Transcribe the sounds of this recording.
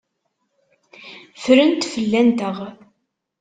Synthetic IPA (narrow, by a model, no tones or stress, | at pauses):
fɾənt̪fəlːænt̪əʁ